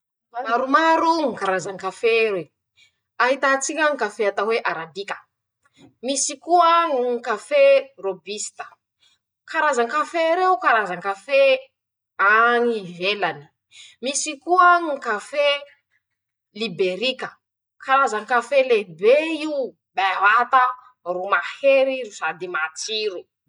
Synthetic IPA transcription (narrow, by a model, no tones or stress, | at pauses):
maɾumaɾuŋikaɾazaŋkafee | aɦit̪at͡sikʲaŋkafeat̪aweʔaɾad̪ikʲə̥ | misikuəŋŋkaferobist̪ə̥ | kaɾazaŋkafeɾeukaɾazaŋkafe | aŋivelani̥ | misikuəŋikafe | libeɾikə | kaɾazaŋkafelebei | bawat̪a | rumaheɾiɾusad̪imat͡siɾu